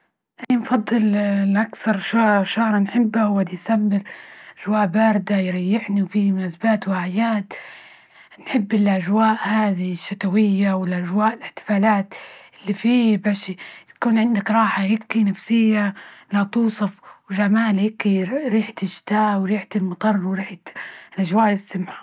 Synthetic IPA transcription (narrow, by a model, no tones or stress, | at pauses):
ʔanːinfɑd̪ˤːɨlʔakθɑɾˤʃaʃahɾˤnħɪbːahwad̪ijsamːɪɾʔʔaʒwaːʔbaːɾɪd̪ajɾɑjːɪħniwfimnazbaːt̪waʕɪjaːt̪ | nħɪbːɪlʔaʒwaːʔhaːðiʃːat̪awɪjːawɪlʔaʒwaːʔɪlɪħt̪ɪ̥faːlaːt̪ʔɪlːifiːbaːʃt̪ḁkuːnʕɪnd̪akɾˤɑːħahɪkːinafsɪjːalat̪uːsˤɑfwʒamaːlhɪkːiɾiːħt̪ɪʃɪ̥t̪aːʔwɾiːħt̪ɪlmɑt̪ˤɑrˤːwɾiːħt̪lʔaʒwaːʔɪsːamħḁ